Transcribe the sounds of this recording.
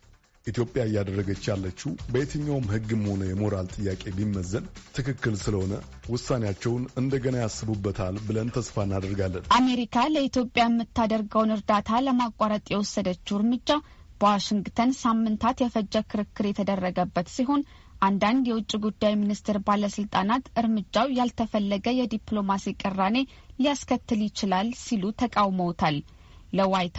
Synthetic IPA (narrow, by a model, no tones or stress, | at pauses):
ʔit̪ʰjo̞pʼjaɨjːad̪ərːəɡət͡ʃːalːət͡ʃːubəjet̪ʰɨɲːawmhɨɡːɨmːəho̞nəjɛmo̞ɾalt̪ʼɨjːakʼe̞bimːəzːənt̪ʰɨkɨkːɨlsɨləho̞nə | wʊsːanejat͡ʃːɛwnɨnd̪əɡənajasːɨbubːət̪ʰalbɨlənt̪ʰəsfaɨnːad̪əɾɡalːənʔame̞ɾikʰaləit̪ʰjo̞pʼjajɛmːɨt̪ʰːad̪əɾɡəwnɨɾd̪at̪ʰaləmakʼːaɾət̪ʼjɛwɔsːəd̪ət͡ʃːuɾmɨd͡ʒːa | b̥əwaʃɪŋɡt̪ʰənsamːɨnt̪ʰat̪jɛfəd͡ʒːəkʰɨɾɨkʰːɨɾjɛt̪ʰəd̪ərːəɡəbːət̪siɦo̞n | ʔand̪and̪jɛwʊt͡ʃʼːiɡud̪ːajminist̪ʰɛɾbaləsɨlt̪ʼanat̪ʔɨɾmɨd͡ʒːawjalt̪ʰəfəlːəɡəjɛd̪iplo̞masikʼɨrːane̞ | lijaskʰət̪ːɨljɪt͡ʃɪlalsilut̪ʰəkʼawməwt̪ʰalː | əwajt̪ʰ